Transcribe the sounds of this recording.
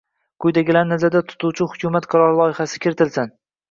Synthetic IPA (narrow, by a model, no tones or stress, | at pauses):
qʰʊjd̪aɡʲɪlannazad̪at̪ʰʊ̥t̪uwt͡ʃʰɪhʊkʰʲʊmat̪qʰɑɾɒɾlˠɒjɪχasɪ̥kʲʰɪɾɪt̪ʰɪlsan